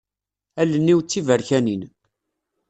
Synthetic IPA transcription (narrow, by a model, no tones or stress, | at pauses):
ælənːiwt͡sːivəɾçænin